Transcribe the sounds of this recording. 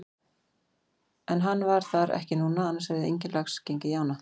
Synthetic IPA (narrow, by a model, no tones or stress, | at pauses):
ɛnɦanːvaɾ̥θaɾɛ̰hcɪnuːnaanːaɾsvɛɾðɪḛjɲcɪnlaxscejɲcɪjaːwna